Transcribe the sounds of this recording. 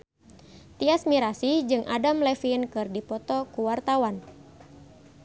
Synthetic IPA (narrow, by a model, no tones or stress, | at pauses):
t̪iasmiɾasid͡ʒɨŋʔa̰damlɛfinkɨrdipɔt̪ɔkuwart̪awan